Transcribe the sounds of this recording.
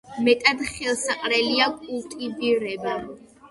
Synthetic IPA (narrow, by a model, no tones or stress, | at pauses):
mɛt̪ʼad̪χɛlˠsaqʼɾɛliakʼult̪ʼibivɾɛba